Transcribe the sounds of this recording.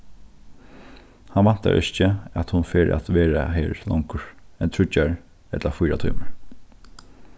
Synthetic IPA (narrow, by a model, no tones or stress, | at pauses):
hanʋan̥t̪a̰ɹʔɪt͡ʃəæt̪hʊnfeːɾʔæ̰t̪ʋeːɹaɦɛːɹlɔ̰ŋkəɹɛnt̪ʰɹʏt͡ʃːaɹ | ɛt̪lafʊjɾat̪ʰɔjməɹ